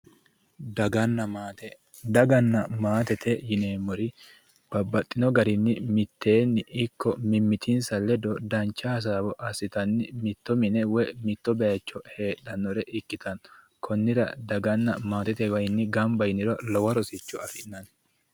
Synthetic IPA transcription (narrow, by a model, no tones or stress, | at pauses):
d̪ɐɡɐnːɐmat̪ɛ | d̪ɐɡɐnːɐmaːt̪ɛt̪ʰɛjɪneːmːɔɾɪ | b̥ɐbːɐt̪ʼːɪnɔɡɐɾɪnːɪmɪt̪ːe̞ːnːɪɪkːɔmɪmːɪt̪ʰɪnsɐlːɛd̪ɔd̪ɐnt͡ʃːɐhɐs̬aːbɔʔɐsːɪt̪ɐnːɪmɪt̪ːɔmɪnɛwɛmɪt̪ːɔbɛɐt͡ʃːɔhe̞ːɗɐnːɔɾɛʔɪkːɪt̪ɐn | kʰɔnːɪɾɐ̰d̪ɐɡɐnːɐmaːt̪ɛt̪ɛwɐjɪnːɪɡɐmbɐjɪnɪɾɔlɔwɐɾɔsɪt͡ʃːɔɐfɪnɐn